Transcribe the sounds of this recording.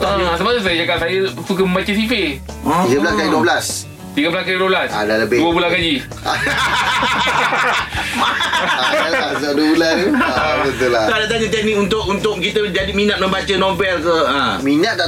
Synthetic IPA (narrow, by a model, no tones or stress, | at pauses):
ə̃səbaʔt̪usajəd͡ʒakaʔsajəfuk̬əməmbat͡ʃəs̬ife | iɡablaskajəduəbəlas | t̪iɡablaskajədoblasa̰daləbeduəbulakad͡ʒi | aduuəbulanbət̪ulat̪adat̪aɲət̪ɛnĩunt̪ʊʔunt̪ʊk̚kit̪əd͡ʒadiminat̪̚mə̃mbat͡ʃənɔbɛlkəəminat̪̚a